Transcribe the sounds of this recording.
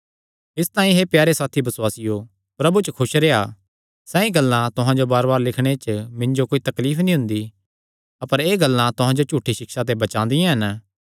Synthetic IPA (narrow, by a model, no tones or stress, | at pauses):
ɪst̪ãːĩɦepjaːɾesaːt̪ʰibɐswaːsɪjo | pɾɐbut͡ʃəkʰʊʃɾea̰ | sɛ̃ːĩɡɐlːãt̪ʊɦãd͡ʒobaːɾbaːɾlɪkʰɽ̃et͡ʃmɪ̃ɲd͡ʒokoːit̪ɐkliːpʰnĩɦʊ̃nd̪i | ɐpəɾeːɡɐlːãt̪ʊɦãd͡ʒot͡ʃuːʈʰːiʃɪkʃat̪̬ebɐt͡ʃãːnd̪ijãɦɐn